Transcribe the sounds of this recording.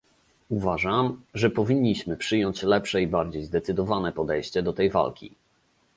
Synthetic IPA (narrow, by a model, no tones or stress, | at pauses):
uvaʐamʐɛpɔvʲiɲʲːiɕmɘpʂɘjɔɲt͡ɕlɛpʂɛibaɾd͡ʑejzd̪ɛt̪sɘd̪ɔvanɛpɔd̪ɛjɕt͡ɕɛd̪ɔt̪ɛjva̰lkʲḭ